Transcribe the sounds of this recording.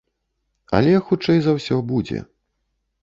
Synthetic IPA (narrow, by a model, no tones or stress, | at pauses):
ɐ̰lʲɛxut͡ʂɛjzɐwsʲɔbud͡zʲɛ̰